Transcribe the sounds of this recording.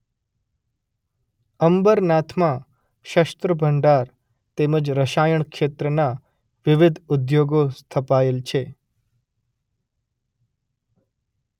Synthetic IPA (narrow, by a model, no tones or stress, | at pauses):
əmbəɾnat̪ʰmã | ʃəst̪ɾəbʱəɳɖaɾ | t̪eməd͡ʒɾəʃajəɳ̃kʃet̪ɾəna | ʋɪʋɪd̪ʱʊd̪joɡost̪ʰəpaelt͡ʃʰe